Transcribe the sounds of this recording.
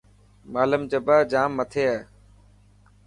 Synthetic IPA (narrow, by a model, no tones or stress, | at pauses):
maːləmd͡ʒəbaːd͡ʒaːmːət̪ʰeːaː